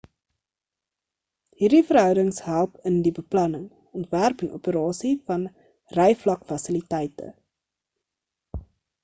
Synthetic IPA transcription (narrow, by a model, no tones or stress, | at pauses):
ɦiːrdifərɦœwdəŋsɦælˠpəndibəplɐnəŋ | ɔntværpənʔṵpəɾɑːsifɐn | rɛjflɐkfɐsəlitɛjtə̰